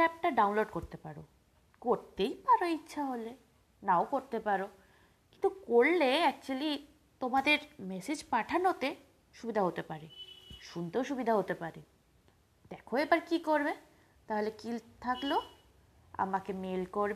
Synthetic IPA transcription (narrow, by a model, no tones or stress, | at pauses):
ɛp̚ʈaɖawnloɖkoɾt̪epaɾo̰ | koɾt̪ejpaɾoitːɕʰaɦole | naokoɾt̪epaɾo | kint̪ukoɾleɛk̚t͡ɕuali | t̪omad̪eɾmɛsed͡ʑpaʈʰanot̪e | ʃubid̪ʱaɦot̪epaɾeʃunt̪eoʃubid̪ʱaɦot̪epaɾe | d̪̥ɛkʰõebaɾkikoɾbe | t̪aɦolekilt̪ʰaklo | a̰makemelkoɾbe